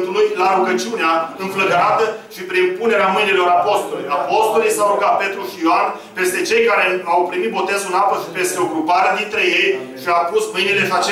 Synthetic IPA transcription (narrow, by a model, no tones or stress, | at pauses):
t̪ulujlaɾuɡət͡ʃiuneaɨnfləd̪ɾat̪əʃipɾinpune̞ɾeamɨjnilo̞ɾapo̞st̪o̞lṵjapo̞st̪o̞lijsaɾuɡat̪̚pe̞t̪ɾuʃijoan | pe̞st̪e̞t͡ʃe̞jkaɾe̞awpɾimit̪̚bo̞t̪e̞zulapəʃipe̞st̪eo̞ɡɾupaɾed̪int̪ɾe̞je̞j | ʃiapusmɨjnile̞ʃiat͡ʃ